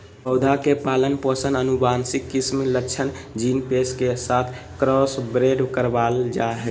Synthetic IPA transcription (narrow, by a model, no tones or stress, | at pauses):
pəʊd̪ʱakepalənpəsənənubansikːismlət͡ʃʰən | d͡ʒinpeskesat̪ʰ | kɾɔsbɾeɖkəɾbald͡ʒaɦɛ